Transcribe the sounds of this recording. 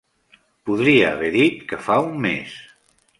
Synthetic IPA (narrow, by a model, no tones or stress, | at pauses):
puðɾiə̰ːβɛðit̪kəfaumːḛs